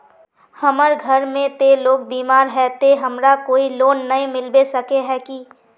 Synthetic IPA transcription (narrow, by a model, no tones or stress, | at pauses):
hɐməɾɡʱəɾmẽt̪eloːɡ̚biːmaːɾɦɛt̪eɦɐmɾakoːiloːnːɐĩmɪlbesɐkeɦɛki